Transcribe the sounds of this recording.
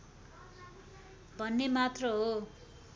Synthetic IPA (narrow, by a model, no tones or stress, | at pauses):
bʱʌnːemat̪rʌɦo